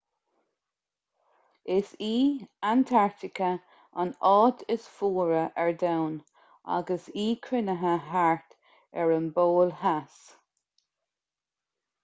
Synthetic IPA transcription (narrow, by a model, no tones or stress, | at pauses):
ɪsiːant̪ʰaɹt̪ɪkʰə | a̰nɑːd̪ʰɪsfuːɹəʔɛɹd̪awn | a̰ɡəsiːkʰɾɪnəɦəɦaɹt̪ | ɛɹənboːlhas